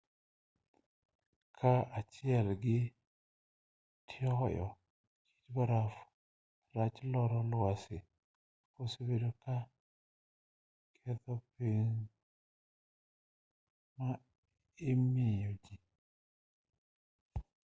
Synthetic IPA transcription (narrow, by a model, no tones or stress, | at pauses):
kʰaat͡ʃɪɛlɡɪ | tʰɪɔjɔ̰ | ki̥t͡ʃbaɾaf | ɾat͡ʃlɔɾɔlʊasɪ | kosebedoka | kʰɛt̪ɔpeɲ | ma | ɪmejod͡ʒi